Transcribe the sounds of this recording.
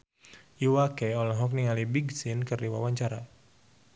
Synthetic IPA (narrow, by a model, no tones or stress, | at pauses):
ʔiwakɛɔlɔɦɔk̚niŋalibiɡsinkɨrdiwawaɲt͡ʃaɾa